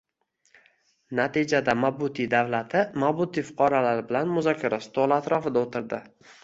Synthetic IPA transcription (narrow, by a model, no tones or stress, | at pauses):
nat̪id͡ʒad̪amabʊt̪ʰid̪avlat̪ʰɪmabʊt̪ifʊ̥qʰɒɾalaɾbɪlanmʊzɒkʲʰːaɾast̪ʰolˠat̪ɾɒfɪd̪aot̪ʰɪɾd̪ɪ